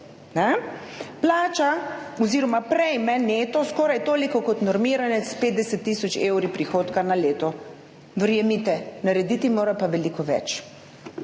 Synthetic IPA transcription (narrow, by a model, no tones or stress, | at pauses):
nɛ | plaːt͡ʃaɔziːɾɔmapɾɛjmɛneːt̪ɔskɔːɾajt̪oːlikɔkɔt̪nɔɾmiɾanɛspeːd̪̚d̪ɛsɛt̪ːiːsɔt͡ʃewɾipɾixoːt̪kanaleːt̪ɔ | ʋəɾjɛmit̪ɛnaɾɛd̪it̪imoːɾapaʋɛlikɔʋɛ̰t͡ʃ